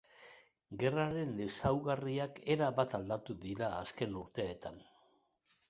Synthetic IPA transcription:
ɡe̞raɾe̞nd̪e̞sawɣariake̞ɾaβat̪ald̪at̪uðiɾaːske̞nuɾt̪e̞ːt̪an

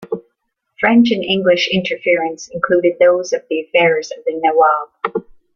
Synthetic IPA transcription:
fɹɛ̃nt͡ʃɨ̃nɪ̃ŋɡlɪʃɪ̃ntʰə˞fɪɹɨ̃nsɨ̃nkʰl̥uɾɨd̪̚ðoʊzʌvðiɨfɛɹzʌvðɨnɛwɑlˠ

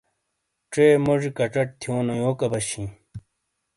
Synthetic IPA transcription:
ʈ͡ʂeːmoʐikɐʈ͡ʂɐʈ̚t̪ʰijoːnojoːkɐbɐɕĩ

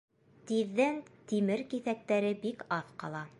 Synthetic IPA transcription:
t̪iðːænt̪imɘɾkiθæk̚t̪æɾɘbikɑθqɑ̰lˠɑ

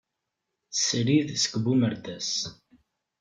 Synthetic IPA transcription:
θsɾiðsə̥kbuməɾd̪æs

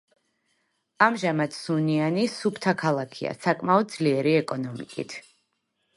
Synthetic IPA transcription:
amʒamad̪sunianisupʰt̪ʰakʰalˠakʰia̰sakʼmaɔd̪̚d̪zliɛɾiɛkʼɔnɔmḭkʼḭt̪ʰ

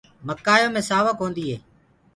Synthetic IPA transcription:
məkːaːjõːmẽːsaːʋəkɦõːnd̪iːɦḛː

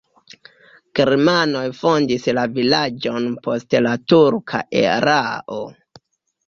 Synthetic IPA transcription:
keɾmano̞jfo̞ndislavilad͡ʒo̞npʰo̞stlatuɾkʰa̰ʔḛɾaʔo

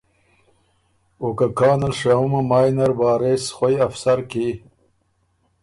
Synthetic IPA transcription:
okakɑːnɐlʂaumɐmaːjnɐɾbɑːɾeːsχojɐfsɐɾki

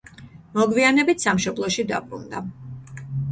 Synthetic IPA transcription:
mɔɡvianɛbit̪ʰsamʃɔblˠɔʃid̪a̰bɾṵnd̪a̰

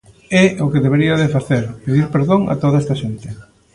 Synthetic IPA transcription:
ɛʊkeðeβeɾiɐðefaθeɾpeðiɾpeɾðoŋɐ̰t̪oðɐɛst̪ɐʃent̪ɪ

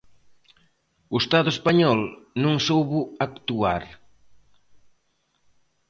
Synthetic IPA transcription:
ʊest̪aðʊespaɲɔlnũŋsowβʊakt̪uaɾ

